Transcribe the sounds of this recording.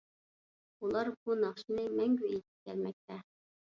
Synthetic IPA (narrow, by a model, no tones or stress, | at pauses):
ulˠɑɾbunɑχʃinɨmɛŋɡʲyet̪ʰɪ̥p̚kʲʰæɾmɛk̚ʲt̪ʰɛ